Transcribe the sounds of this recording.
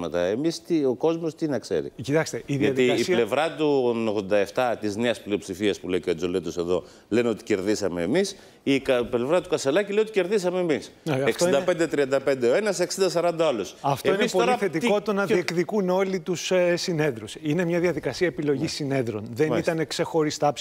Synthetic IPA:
mɐt̪ɐ̰emist̪io̞ko̞zmost̪inɐkse̞̰ɾḭcit̪ɐkst̪eiðiʝɐɐtðiɐːslevɾɐt̪unoɣðo̞nd̪ɐe̞ft̪ɐt̪izneɐsplio̞psifiɐspuleiceod͡zolet̪oseðo̞ | leno̞t̪i̥ce̞ɾðisɐme̞̰ːmis | ikple̞vɾɐt̪ukɐselɐcileiot̪ice̞ɾðisɐmeːmisɐekfsoiid̪ɐpe̞nd̪et̪ɾiɐnd̪ɐpe̞nd̪eo̞e̞nɐseksind̪ɐsɐɾɐnd̪ɐɐlosɐft̪oinepooliɐθet̪iko̞t̪onɐðiekðikuno̞lit̪ussine̞ðɾusine̞mɲɐðiɐðikɐsiɐepilo̞ʝisːine̞ðɾo̞nðe̞nit̪ɐne̞kse̞xo̞ɾist̪ɐ

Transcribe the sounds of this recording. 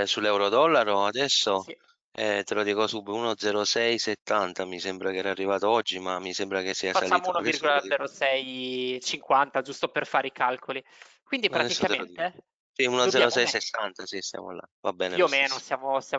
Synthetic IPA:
sulːɛwɾod̪ɔlːaɾoad̪ɛsːo | ɛt̪elod̪iːkosubiunod̪zɛɾosɛjset̪ːant̪amisɛmbɾakɛːɾaarːivaːt̪oɔd͡ʒːimamːisembɾak̟esːiːafasalt͡ʃːaimunoirɡolad̪ɛɾosɛjt͡ʃiŋkwant̪ad͡ʒust̪operfaːɾeikalkʰoli | kwind̪ipɾat̪ɛisːoat̪elont̪e | siunod̪ɛɾosɛjsesːant̪asist̪ja̰mo̰lːa̰vabɛːneomeːnosjaːmosja

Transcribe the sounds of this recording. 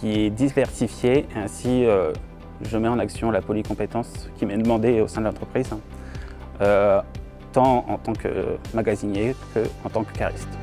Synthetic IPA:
kʲiɛd̪ivɛʁsifjeeɛ̃siø | ʒəmɛɑ̃naksjɔ̃lapɔlikɔ̃pet̪ɑ̃skʲimɛd̪əmɑ̃d̪eosɛ̃d̪əlɑ̃t̪χəpχiz | ø | t̪ɑ̃ɑ̰̃t̪ɑ̃kə̰maɡazinekəɑ̃t̪ɑ̃kykaʁḭst̪

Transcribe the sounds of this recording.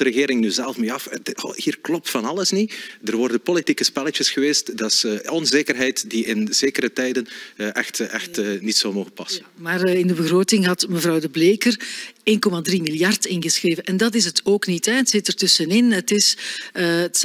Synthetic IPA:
dəɾəɣɪːɾɪŋnyːzɛlˠfmeːɑfhiːrklɔp̚tfɑnɑləsnidərʋɔrdənpolitikəspɛlət͡ʃəsxəʋeːstdɑsɔnzeːkərɦɛjtdiɪnzeːkəɾətɛjdənʔɛxtɛxtːnitsolˠmoːɣənpɑsə | maːrɪndəbəɣroːtɪŋɦɑtməvrɑwdəbleːkəreːnkɔmadrimɪljɑrtɪnɣəsxreːvənʔɛndɑtɪsətoːknitɛətsɪtərtɵsənɪnətɪsəət

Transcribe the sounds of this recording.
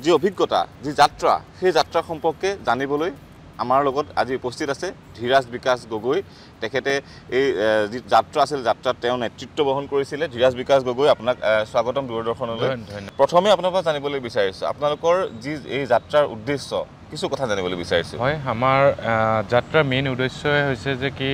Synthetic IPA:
ziobʱiɡːɔta̰zizatɹa̰xejzatɹaxɔmpɔɹkːɛzanibɔloj | a̰maɹlɔɡɔta̰ziupostʰitasɛdʱiɹasbikasɡoɡoj | tɛkʰɛtɛ | ejzizatɹaasilɛzatɹattɛʊ̃nɛtɹitːɔbɔɦɔnkoɹisilɛdʱiɹas̬bikasɡoɡojapunakswaɡɔtɔmduɔɹdɔɹxɔnɔlojɔpɹɔtʰɔmɛapunapaszanibɔlojbisaɹisʊ̰a̰pʊnalʊkɔɹziejzatɹaɹṵdːesːɔ̰ | kisukɔtʰazanibɔlojbisaɹisʊ̰ɔjamaɹzatɹaminudesɔɛɦojsɛzɛki

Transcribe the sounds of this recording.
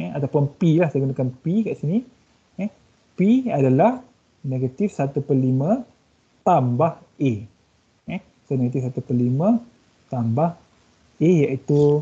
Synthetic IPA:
ɛ̃at̪apʊnpilahsajɡunakanpikaʔsini | ɛ | piadalah | neɡat̪ifsat̪upəlimə̃ | t̪ambah | ʔe | ɛ | saneɡat̪ifsat̪upəlimə̃ | t̪ambah | ejaʔit̪u

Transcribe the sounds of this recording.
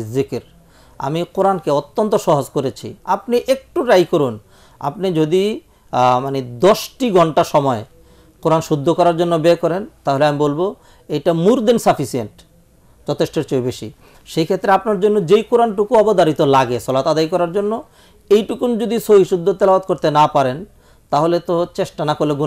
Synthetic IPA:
zikɾ | a̰mikoɾankeot̪ːont̪oʃɔɦod͡ʑkoɾet͡ɕʰḭapniʔek̚ʈuɾajkoɾun | a̰pnid͡ʑod̪i | maned̪ɔʃʈiɡʱɔɳʈaʃɔmɔe | koɾanʃud̪ʱːokɔɾaɾd͡ʑonːobekɔɾent̪aɦoleamibolbo | ejʈamuɾd̪ensafisieɳʈ | t͡ɕɔt̪ʰeʃʈeɾt͡ɕojbeʃḭ | ʃejkʰet̪ːɾeapnaɾd͡ʑonːod͡ʑejkoɾanʈukuɔbod̪aɾit̪olaɡesɔlat̪ad̪ajkɔɾaɾd͡ʑonːo | ejʈukund͡ʑod̪isoɦiʃud̪ʱːot̪elaat̪̚koɾt̪enapaɾen | t̪aɦolet̪ot͡ɕeʃʈanakoɾleɡu

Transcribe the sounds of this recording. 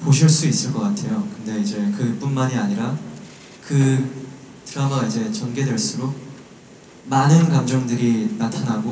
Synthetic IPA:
poɕʰiɭs͈uis͈ɯɭk͈ʌk͈atʰe̞jokɯnde̞id͡ʑe̞kɯp͈unmaɲiaɲiɾa | kɯ | tɯɾamaid͡ʑe̞t͡ɕʌnɡe̞dwe̞ɭs͈uɾo | manɯnkamd͡ʑʌŋdɯɾinatʰanaɡo

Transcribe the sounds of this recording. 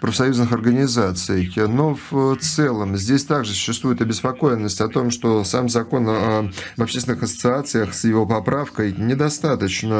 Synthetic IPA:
pɾəfsɐjuznɨxɐrɡənʲɪzat̪sɨjəxnoft̪sɛlˠəmzʲdʲesʲt̪aɡʐɨsʊ̥ɕːɪst̪vujɪt̪ɐbʲɪspɐko̞jɪnːəsʲtʲɐt̪o̞mʂt̪o̞samzɐko̞nɐbɐpɕʲesʲt̪ʲɪnɨxəsət̪sɨat̪sɨjəxsjɪvo̞pɐpɾafkəjnʲɪd̪ɐst̪at̪ət͡ɕnə

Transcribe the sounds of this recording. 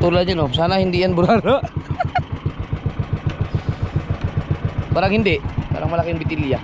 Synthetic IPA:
t̪uɾlad͡ʒanɔsanahindianbuɾaro | baɾaŋhindɛba̰ɾaŋmalakinbit̪ilia

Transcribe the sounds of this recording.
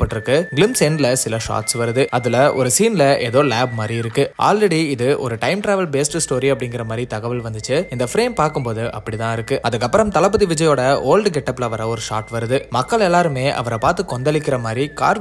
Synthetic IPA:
pːɐʈːɪɾɯkːɯɡɪlɪmsɛɳɖlɐsɪlɐʂa̰ːʈsʋɐɾɯðɯɐðɯlɐʔɔ̰ɾɯsiːnlɐʔɛ̰ðoːlaːbmaːd̪ɾiɪɾɯkːɯʔa̰ːlɾɛɽiɪðɯʔɔ̰ɾɯʈɐɪmʈɾaːʋɐlbeːsʈsʈoːɾiɐpːɐɽɪŋɡɪɾɐmaːd̪ɾit̪ɐɣɐʋɪlʋɐnd̪ɯt͡ʃːɯɪnd̪ɐfɾeːmpaːɾkɯmpoːðɯʔɐ̰pːɐɽit̪ãːɪɾɯkːɯɐðɯkːɐpːɐɾɐmt̪ɐlɐp̬ːɯðiʋɪd͡ʒɐjoːɽɐoːlɖɡɛʈːɐpːɪlɐʋɐɾɐɔɾɯʂa̰ːʈʋɐɾɯðɯmɐkːɐlɛlːaːɾɯmeːʔɐ̰ʋɐɾɐpaːɾt̪ɯkːɔnd̪ɐlɪkːɪɾɐmaːd̪ɾika̰ːɾ

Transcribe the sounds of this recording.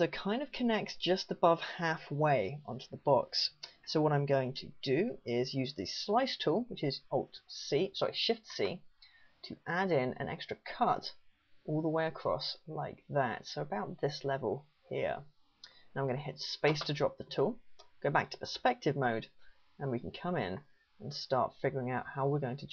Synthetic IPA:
səʊkʰãɪ̃ndʌv̥kʰɨnɛk̚tsd̥ʒ̥ʌstəbʌv̥hæfweɪʌ̰̃ntʰʉðəbɑksːoʊwʌɾãɪ̃mɡoʊɪ̃ŋtʰɨd̥ɨɪzjʉzðɨ̰slaɪstʰulˠwɨt͡ʃɪzoʊlˠd̥sisəɪ̰ʃɪftsḭtʰəʔæɾɪ̃nɨ̰̃nʔɛ̰kstɹ̥əkʰʌt | ɔlˠðəweɪəkʰɹ̥ɔ̰sla̰ɪk̚ðæ̰tsoʊəbaʊt̪̚ðɪslɛvə̰lˠ | hḭɹ̃ | nãɪ̃mɡʌ̃ñɨɦɪtspeɪstʰədɹɒp̚ðətʰulˠɡ̥oʊba̰k̚tʰə̥pʰə˞spɛk̚tɨvmoʊd | ə̃nwikʰn̩kʰʌ̃mɪ̰̃n | ə̃n̩stɑ̰ˑɹtfɪɡə˞ɪ̃ŋaʊt̚haʊəwəɹɡoʊɪ̃ŋtʰɨ

